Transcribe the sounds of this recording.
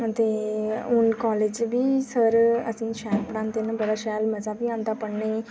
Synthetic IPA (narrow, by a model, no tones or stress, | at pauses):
t̪eːʊnkaːleːd͡ʒbiːsəɾə̰sĩːʃɛːlpɽãːnt̪enãbəɽaːʃɛːlməzaːbiːãːnd̪aːpəɽneː